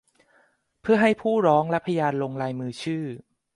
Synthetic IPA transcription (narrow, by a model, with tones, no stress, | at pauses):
pʰɯ˥˩ɐɦa˥˩jpʰuː˥˩ɾɔː˦˥ŋlɛ˦˥pʰːa˧jaː˧nlo˧ŋɾaː˧jmɯː˧t͡ɕʰɯː˥˩